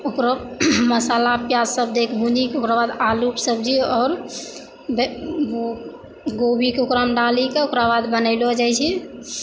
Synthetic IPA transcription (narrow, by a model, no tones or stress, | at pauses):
ʊkɾoməsalapjad͡ʒsəb̚d̪ekʰbʱũnikeʊkɾabad̪alupsəb̚d͡ʒiɔːɾ | bʋo | ɡobʱikeʊkɾamɖalikeʊkɾabad̪bənəɪlod͡ʒajt͡ʃʰɛ